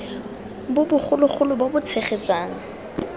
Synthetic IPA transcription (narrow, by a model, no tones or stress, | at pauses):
bʊbʊχʰʊlʊχʊlʊbobʊt͡sʰeχet͡sʼaːŋ̩